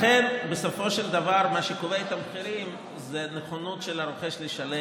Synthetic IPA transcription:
χenbesofo̞ʃeld̪avaɾmaʃekoveet̪ameχiɾim | zeneχonutʃelaɾoχe̞ʃleʃale

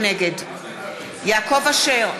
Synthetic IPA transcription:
neɡed | jaːkovaʃeʁ

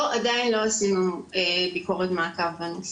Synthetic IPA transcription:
oʔadainlo̞asimebikoʁet̪maakavanus

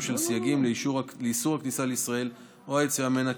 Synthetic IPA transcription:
ʃelsijaɡimleiʃuleisuʁaknisaleisʁae̞l | oajet͡siʁameena

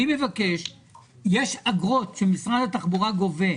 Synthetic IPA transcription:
ime̞vake̞ʃ | jeʃaɡʁo̞t̪ʃemisʁad̪at̪aχbuʁaɡo̞ve

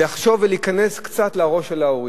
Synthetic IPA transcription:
aχʃo̞veliːkaneskt͡sat̪laʁo̞ʃelaoʁi

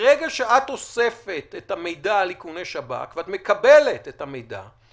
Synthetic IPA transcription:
ʁeɡaʃeat̪o̞sefet̪etame̞jdalikunejʃaba̰kveatmekabelet̪ethamejda̰

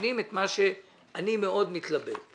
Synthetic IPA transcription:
nimet̪maʃe̞ | animeo̞d̪mit̪labḛl

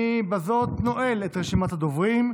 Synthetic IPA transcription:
ibazo̞t̪no̞ʔelet̪ʁeʃimat̪had̪ovʁim

